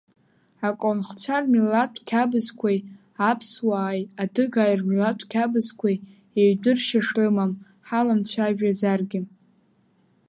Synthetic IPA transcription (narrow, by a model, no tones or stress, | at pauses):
akʷʼonχt͡ɕʷʰarmilatʷʰʼkʲʰabɨzkʷʰaj | apʰswaːjadɨɡaːjrmilatʷʰʼkʲʰabɨzkʷʰaj | eɥdʷɨrʃaʂrɨmam | ħalamt͡ɕʷʰaʒᶣazarɡʲɪ